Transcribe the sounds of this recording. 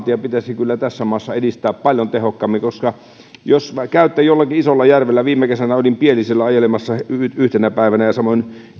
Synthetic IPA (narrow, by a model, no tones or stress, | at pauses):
t̪iɑpit̪æsikylːæt̪æsːæmɑːsːɑedist̪æːppɑlʲjont̪ehokːɑmːikoskɑ | joskæˑyt̪ːæjolːɑkiisolːɑjærʋelːæʋiːmːekesænæolʲimpieliselːæɑjelemɑsːɑyyht̪enæpæˑiʋænæjɑsɑmon